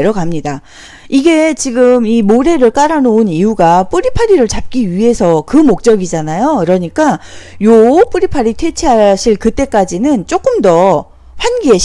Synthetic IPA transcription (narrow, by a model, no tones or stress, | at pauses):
eɾʌɡamɲida | iɡe̞t͡ɕiɡɯmimoɾe̞ɾɯɭk͈aɾanonijuɡap͈ɯɾipʰaɾiɾɯɭt͡ɕap̚k͈iɥiɦe̞sʰʌkɯmok̚t͡ɕ͈ʌɡid͡ʑanajokɯɾʌɲik͈ajop͈uɾipʰaɾitʰwe̞t͡ɕʰiɦaɕʰiɭkɯt͈e̞k͈ad͡ʑinɯnt͡ɕ͈ok͈ɯmdʌ | ɸwanɡiɦeɕ